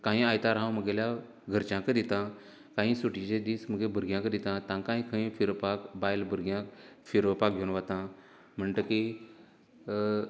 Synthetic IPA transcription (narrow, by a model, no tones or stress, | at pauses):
kãɦĩajt̪aɾɦãwməɡelja | ɡʱəɾt͡ɕãkəd̪it̪ã | kãɦĩsuʈit͡ɕẽd̪iːsməɡebʱəɾɡjãkəd̪it̪ãt̪ãŋkãɦĩkʰəĩfiɾpakbajlbəɾɡjãfiɾəpakɡʱenʋat̪ã | m̤əɳʈ̪əki